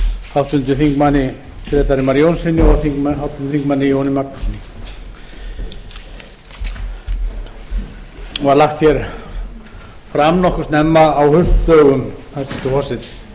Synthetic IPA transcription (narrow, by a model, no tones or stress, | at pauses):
hawt̪ʏnt̪ʏθiŋkmanɪ | fɾɛːt̪aɾɪmaɾjownsɪnːɪɔθiŋkmahawt̪ʏnt̪ʏθiŋkmanːɪjownɪmaknɔsnɪ | ɔaðlaxt̪çjɛɾ̥ | fɾamnɔhkʏ̥st̪nɛmːaːwhʏst̪p̪œːɣʏmθansʏnt̪ʏhɔsɪ